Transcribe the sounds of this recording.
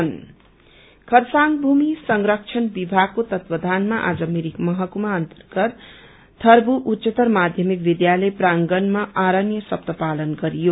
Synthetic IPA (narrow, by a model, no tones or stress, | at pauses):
n | kʰʌɾsaŋbʱumisʌŋɾʌk̚t͡ʃʰʌnbibʱaɡ̚kːot̪ʌt̪pʌd̪ʱanmaʔa̰d͡zʌmiɾikmʌɦʌkumaʌnt̪ʌrɡʌt̪ | t̪ʰːʌrbuʔutːsʌt̪ʌrmad̪ʱjʌmik̚bid̪jalʌjpraŋɡʌnmaʔaɾʌnjʌsʌp̚t̪ʌpalʌnɡʌɾijo